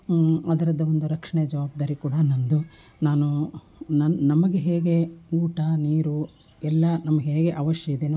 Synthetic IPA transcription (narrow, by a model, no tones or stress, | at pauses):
ɐd̪ɐɾɐd̪ːɐond̪uɾɐkʂɐɳɛjɐd͡ʒɐʋaːb̚d̪aːɾikuːɽɐnɐnd̪u | naːnu | nɐnɐmɐɡeɦeːɡe̞uːʈɐniːɾu | ɛlːɐnɐmɐɡeɦeːɡe̞ʔɐʋɐʂjɐid̪eːn